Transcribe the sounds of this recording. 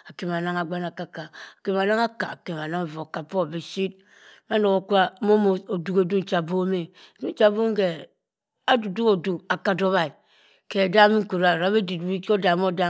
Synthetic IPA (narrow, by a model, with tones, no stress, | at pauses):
a˨ke˨m˨a˨na˦ŋa˨ɡ͡ba˦na˨ka˦˨ka˨a˨ke˨ma˨na˦ŋa˦ka̰˨a̰˨ke˨ma˨na˦ŋ˨vo˨a˨ka˨po˦˨be˨si˦t̚ | ma˦no˨ɣo˨kʷa˦mo˦mo˦o˨du˦ke˨du˦n̩˨˦t͡ʃa˨bo˦me˨du˦n̩˦t͡ʃa˦bu˦ŋ̩˦ke˨ | a˦du˨du˦ko˨du˨ka˨ka˨do˦βa˨i˨ | ke˨a˨da˦mi˦ŋ̩˦ku˨ɾa˨ɾa˨˦be˦di˨ti˦o˦da˨mo˦da˦